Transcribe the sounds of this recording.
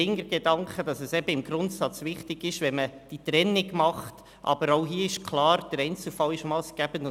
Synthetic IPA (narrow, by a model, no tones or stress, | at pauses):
ɪŋəɾɡedɑŋkχəd̥ɑsɛsɛbəɪmɡɾʊntsɑt͡sʋɪχtɪɡ̥ɪʃʋɛməd̥it̪ɾɛnːɪɡmɑχt | ʔɑ̰b̥əɾɔʊɦiəɪʃkʰlɑːɾd̥əɾɛɪnt͡sl̩fɑlɪʃmɑːlsɡ̥æbəndʊ